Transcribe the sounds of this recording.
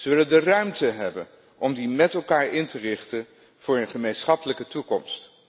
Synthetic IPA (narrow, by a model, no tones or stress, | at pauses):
z̥ɵləndərœɥmtəɦɛbən | ʔɔmdimɛtɛlˠkaːɹʔɪntərɪχtən | v̥ʊːɹənχəmejnsχɑpələkətukɔmst